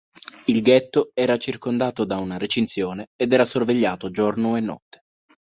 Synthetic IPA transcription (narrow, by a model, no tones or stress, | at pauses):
ilɡɛt̪ːoɛːɾat͡ʃirkond̪aːt̪od̪aunaɾet͡ʃintsjoːneːd̪ɛːɾasorveʎːaːt̪od͡ʒornoenːɔ̰t̪ːe̥